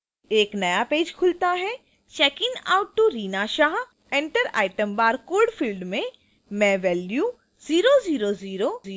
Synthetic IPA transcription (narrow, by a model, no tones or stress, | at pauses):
eːknɐjapeːd͡ʒkʰʊlt̪aɦɛ | t͡ʃɛːkɪna̰ːʊʈːuɾiːnaʃaːɦ | ɛ̃ɳʈəɾa̰ːɪʈə̃mbaːɾkoːɖfʰilɖmẽ | mɛ̃ːʋɛːljuː | ziːɾoziːɾoziːɾoiː